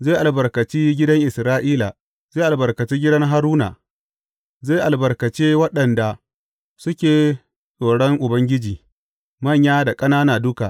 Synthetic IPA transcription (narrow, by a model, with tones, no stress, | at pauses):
zeː˦˨ʔa˨lbɐ˨rkɐ˨t͡ʃiː˦ɡʲɪ˦dɐ˦ŋʔɪ˨sɾaː˦ʔiː˦la˨ | zeː˦˨ʔa˨bɐ˨rkɐ˨t͡ʃeː˦ɡʲɪ˦dɐ˦ŋɦa˦ɾuː˦na̰˨ | zeː˦ʔa˨lbɐ˨rkɐ˨t͡ʃeː˦wɐ˦ɗɐ˨nda˨ | sʊ˦kʲeː˨ | sʼoː˨ɽɔ˦ŋʔʊ˨bɐ˦ŋɡʲɪ˦d͡ʒiː˨ | mɐ˦˨ɲjaː˦da˨kʼɐ˦naː˦naː˨dʊ˦ka˨ʔ